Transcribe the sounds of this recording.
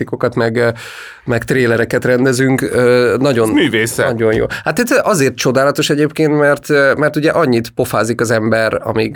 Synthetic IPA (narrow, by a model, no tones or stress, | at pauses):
ikokɒt̪mɛɡ | mɛkt̪reːlɛɾɛkɛt̪rɛnd̪ɛzyŋkøːnɒɟo̞nmyːveːsɛɒɟo̞njo̰ːhat̪it̪ʔɒzeːrt̪̚t͡ʃo̞d̪aːlɒt̪o̞ʃɛɟeːpkeːnt̪mɛrt̪mɛrt̪uɟɛʔɒɲːit̪po̞faːzikɒzɛmbɛɾɒ̰miɡ